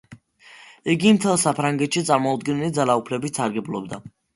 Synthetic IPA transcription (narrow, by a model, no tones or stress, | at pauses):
iɡimt̪ʰɛlˠsapʰɾaŋɡɛt̪ʃit̪sʼaɾmɔud̪ɡɛnɛlid̪zalaupʰlɛbit̪saɾɡɛblˠɔbd̪a